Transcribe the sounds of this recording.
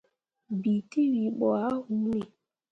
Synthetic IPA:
bi˨ti˦wi˨ɓɔ˨a˦hu˦ne˨

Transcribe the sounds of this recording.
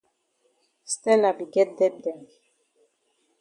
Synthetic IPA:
st̪ɛ˦la˨bi˨ɡɛ˦t̪̚d̪ɛ˦p̚d̪ɛ˨m

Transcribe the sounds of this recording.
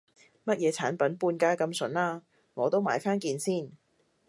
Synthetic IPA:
mɐ˥t̚jɛː˨˧t͡sʰaː˨˥npɐ˨˥npuː˧nkaː˥kɐ˧msɵ˨˥naː˥ | ŋɔː˨˧t̪o˥wmaː˨˥jfaː˥nkiː˧nsiː˥˩n

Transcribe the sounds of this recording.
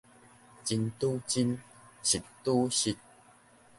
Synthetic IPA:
t͡ɕi˧nt̪u˦t͡ɕi˦nɕi˨tt̪u˦ɕi˧t̚

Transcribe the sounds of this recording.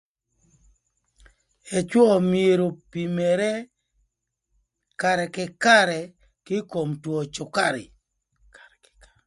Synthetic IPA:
e˨t͡ʃwɔ˦˨mie˨ɾo˨pi˨me˨ɾe˦ | ka˨ɾɛ˨kɪ˨ka˦ɾɛ˨ | kɪ˦ko˨mtwo˨t͡ʃʊ˨ka˦˨ɾɪ̰˨

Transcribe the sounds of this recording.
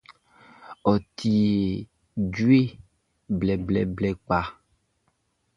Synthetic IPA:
ɔ˨t̪i˨e˨ | d͡ʒu˦e˦ | blɛ˨blɛ˨blɛ˨k͡pa˨

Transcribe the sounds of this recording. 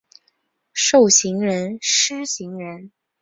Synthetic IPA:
ʂo˥˩ʊɕi˧˥ŋɻə˧˥nʂɻ̩˥ɕi˧˥ŋɻə˧˥n

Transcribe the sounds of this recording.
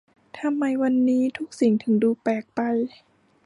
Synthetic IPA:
t̪ʰa˧mːa˧jwa˧nːiː˦˥t̪ʰu˦˥k̚si˨˩˦ŋt̪ʰɯ˨˩˦ŋduː˧pɛː˨˩k̚pa˧j

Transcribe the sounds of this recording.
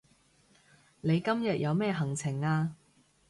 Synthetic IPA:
ne˨˧jkɐ˥mjɐ˨t̚jʔɐ˨˧wmɛː˥ɦɐ˨˩ŋt͡sʰɪ˨˩ŋaː˧

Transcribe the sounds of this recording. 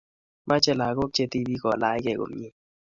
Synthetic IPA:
mʔa˦t͡ʃɛ˦˨la˨ɡo˦k̚t͡ʃe˦t̪i˦bi˦kɔ˨la˨˦jkɛ˨ɡo̰˨mɲi˦

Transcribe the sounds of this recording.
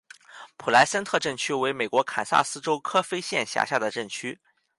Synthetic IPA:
pʰu˨˩la˧˥ɪsa˥nt̪ʰɤ˥˧ʈ͡ʂə˥˩ŋt͡ɕʰy˥we˧˥ɪme˨˩ɪkwɔ˧˥kʰa˨˩nsa̰˥˩sɹ̩˥ʈ͡ʂo˥ʊkʰɤ˥fe˥ɪɕjɛ˥˩nɕja̰˧˥˩ɕja̰˥˩d̪ə˩ʈ͡ʂə˥˩ŋt͡ɕʰy˥

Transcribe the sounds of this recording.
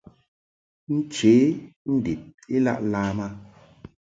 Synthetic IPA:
n̩˦t͡ʃeː˨˦n̩˦di˨t̚i˦la̰˦ʔlaː˦ma˦

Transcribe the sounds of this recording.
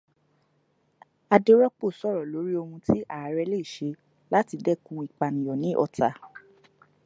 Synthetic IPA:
a˧de˦ɾɔ˦k͡po˦˨sɔ˦˨ɾɔ˨lo˨˦ɾi˦o˧hũ˧ti˦ʔa˦˨a˨˦ɾɛ˧le˦i˨ʃe˧˦ | la˦ti˧dɛ˦kũ˧i˨k͡pa˨nĩ˨jɔ˨nĩ˨˦ʔɔ˧ta˧

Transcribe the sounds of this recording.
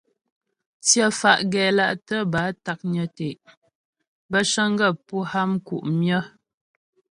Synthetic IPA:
t͡sjə˦fa˨ʔɡɛ˨la˦ʔtə˦ba˨˦ta˨k̚ɲə˨te˨ʔ | bə˦ʃə˦ŋ˦ɡə˦˨pu˦ha˦mkṵ˨ʔmjə˦

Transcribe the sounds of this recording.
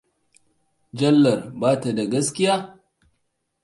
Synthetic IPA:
d͡ʒɐ˦lːɐ˨rbaː˦ta˨da˨ɡɐ˦skʲɪ˦jaː˦

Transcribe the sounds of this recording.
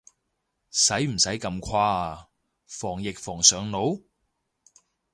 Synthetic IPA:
sɐ˨˥jm̩˨˩sɐ˨˥jkɐ˧mkʷʰwaː˧ | fɔː˨˩ŋjɪ˨k̚fɔː˨˩ŋsœː˨˧ŋno˨˥w

